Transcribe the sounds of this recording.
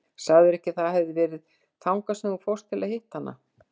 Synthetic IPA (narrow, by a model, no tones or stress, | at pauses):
saːðʏɾɛhcɪθaðhɛvðɪvɛːɾɪð | θawŋkasɛnufɔwrst̪ʰɪlahɪht̪hanːa̰